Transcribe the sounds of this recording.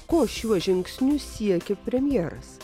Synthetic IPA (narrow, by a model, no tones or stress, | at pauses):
koːʃʲuɔʒʲɪŋksʲnʲusʲiɛkʲepʲɾʲɛmʲjɛːɾɐ̰s